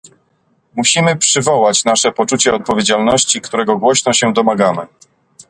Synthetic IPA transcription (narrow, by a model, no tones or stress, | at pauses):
muɕimɘpʂɘvɔwat͡ɕnaʂɛpɔt͡ʂut͡ɕɛɔt̪̚pɔvʲjed͡ʑalnɔɕt͡ɕikt̪uɾɛɡɔɡwɔɕnɔɕɛd̪ɔmaɡamɘ